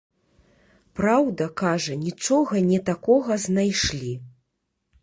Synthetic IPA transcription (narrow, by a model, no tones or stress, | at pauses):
pɾawd̪ɐkaʐɐnʲit͡ʂɔɣɐnʲɛt̪akɔɣɐznajʂlʲi